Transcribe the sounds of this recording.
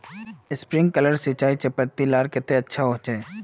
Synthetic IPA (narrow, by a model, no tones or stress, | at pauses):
ɪspɾɪ̃ŋɡ̚kələɾsɪt͡ʃaːit͡ʃɪpət̪ːilaːɾkɪt̪eɐtːʃʰaɦoːt͡ʃeː